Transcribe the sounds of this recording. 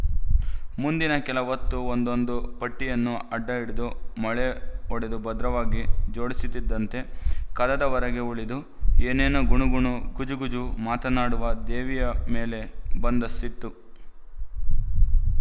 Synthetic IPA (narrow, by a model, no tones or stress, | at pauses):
mund̪inɐkɛlɐʋɐt̪ːuond̪o̞nd̪upɐʈːijɐnːuɐɖːɐiɽid̪umɐɭeɔɽed̪ubɐd̪ɾɐʋaːɡid͡ʒo̞ːɽisit̪ːid̪ːɐnt̪e̞kɐd̪ɐd̪ɐʋɐɾɐɡe̞uɭid̪u | eːneːnɐɡuɳuɡuɳuɡud͡ʒuɡud͡ʒumaːt̪ɐnaːɽuʋɐd̪eːʋijɐme̞ːle̞bɐnd̪ɐsit̪ːu